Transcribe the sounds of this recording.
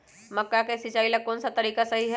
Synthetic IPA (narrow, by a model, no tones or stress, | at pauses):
mɐkːakesɪt͡ʃaːilɐkːɔːnsat̪ɐɾiːkasɐɦiɦɛ